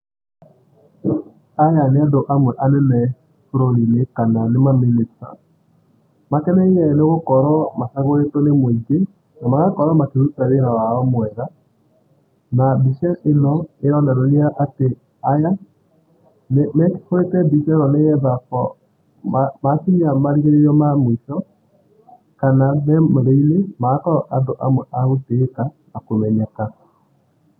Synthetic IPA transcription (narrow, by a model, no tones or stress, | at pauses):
ajaneadoʔamwɛʔanɛnɛ | foɾoɾinekananemaminita̰ | makɛnɛiɛneɣokɔɾɔmasaɣoɾetonemwed͡ʒe | namaɣakɔɾɔmakeɾutaɾeɾawaɔmwɛða | nabiʃɛenɔeɾɔnaɾoɾiaʔate | aja | nmɛke̥koɾetɛbiʃɛnɔnejɛðafɔ | amasiniamaɾiɣeɾeɾiɔmamwiʃɔ | kanamɛmoɾeinemaɣakɔɾaʔandoʔamwɛʔaɣoteːka | akomɛɲɛka